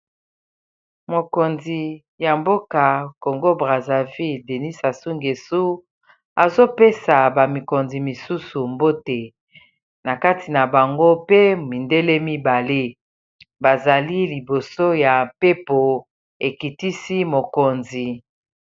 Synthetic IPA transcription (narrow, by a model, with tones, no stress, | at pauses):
mo˨ko˨nzi˨ | ja˨mbo˦ka˨ko˨ŋɡo˦bʁa˨za˨vi˦lde˨ni˦sa˨su˦ŋɡe˨su˦ | a˨zo˦pe˦sa˨ba˨mi˨ko˨nzi˨mi˨su˦su˨mbo˦te˨ | na˨ka˦ti˨na˨ba˨ŋɡo˦pe˦mi˨nde˦le˦mi˦ba˨le˦ | ba˨za˨li˦li˨bo˨so˦ja˨mpe˦po˨ | e˨ki˨ti˦si˦mo˨ko˨nzi˨